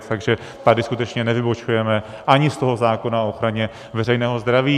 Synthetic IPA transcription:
t̪aɡʒɛ | t̪adɪskut̪ɛt͡ʃɲɛnɛvɪbo̞t͡ʃujɛmɛ | ʔaɲɪst̪o̞ɦo̞zaːko̞naooxɾaɲɛ | vɛrɛjnɛːɦo̞zd̪ɾaviː

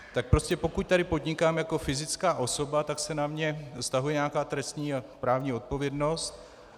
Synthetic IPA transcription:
t̪ak̚pɾoscɛpo̞kuc̚t̪aɾɪpo̞dɲɪkaːmjako̞fɪzɪt͡skaːʔo̞so̞bat̪aksɛnamɲɛst̪aɦujɛɲaːkaːt̪ɾɛst̪ɲiːapɾaːvɲiːo̞t̪̚po̞vjɛdno̞st̪

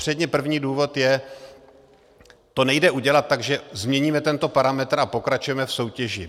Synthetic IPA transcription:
r̥ɛdɲɛpr̩vɲiːduːvo̞t̪jɛ | t̪o̞nɛjdɛʔuɟɛlat̪̚ːaɡʒɛzmɲɛɲiːmɛt̪ɛnt̪o̞paɾamɛt̪ɾapo̞kɾat͡ʃujɛmɛfso̞wcɛʒɪ

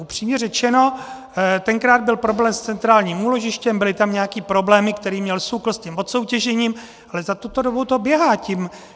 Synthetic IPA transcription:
ʔupr̝̥iːmɲɛrɛt͡ʃɛno̞ | t̪ɛŋkɾaːd̪̚bɪlpɾo̞blɛːmst͡sɛnt̪ɾaːlɲiːmuːlo̞ʒɪʃcɛmbɪlɪt̪amɲɛjakiːpɾo̞blɛːmɪkt̪ɛɾiːmɲɛlsukl̩scimvot̪so̞wcɛʒɛɲiːm | ʔalɛzat̪ut̪o̞dobut̪o̞bjɛɦaːcim

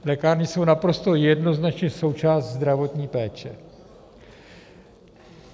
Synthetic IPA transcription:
lɛkaːɾɲɪso̞wnapɾo̞st̪o̞jɛdno̞znat͡ʃɲɛso̞wt͡ʃaːst̪zd̪ɾavo̞t̪ɲiːpɛːt͡ʃɛ

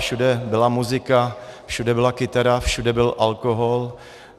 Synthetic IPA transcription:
fʃudɛbɪlamuzɪkafʃudɛbɪlakɪt̪aɾafʃudɛbɪlʔalkoɦol

